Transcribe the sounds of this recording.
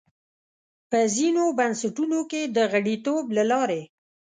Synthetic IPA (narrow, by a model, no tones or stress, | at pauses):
pəzinobansaʈunoked̪əɣaɽit̪oblalɑɾe